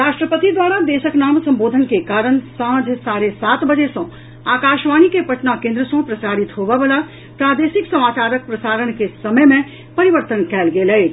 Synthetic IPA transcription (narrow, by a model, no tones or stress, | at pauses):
ɾaʃʈɾəpət̪id̪ʋaɾad̪esəknaːmsə̃mbod̪ʱənkekaːɾənsãɦd͡ʒʱsaɾesat̪bəd͡ʒesə̃ | aːkaʃʋanikepəʈnakẽnd̪ɾəsə̃pɾəsaɾit̪ɦobɛbela | pɾad̪esiksəmaːt͡ʃaɾək̚pɾəsaːɾənkesəməjmẽ | pəɾiʋəɾt̪ənkɛːlɡelɛ